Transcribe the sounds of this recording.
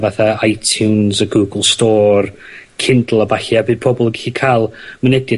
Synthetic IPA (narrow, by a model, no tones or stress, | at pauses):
vaθaajtʰjunsəɡuːɡəlˠstɔːr | kʰɪndl̩ˠəbaɬiabɨːd̚pʰɔbɔlˠəɡiɬikʰaːlˠmənɛdɪ